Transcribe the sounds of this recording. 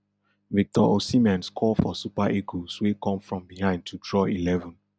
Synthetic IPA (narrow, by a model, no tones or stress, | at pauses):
vik̚tɔʔosimɛ̃nskʰɔlfɔsupaʔekoswekʰɔ̃mfɹɔ̃mbihãɪ̃nd̚tʰudɹɔilɛvɔ̃n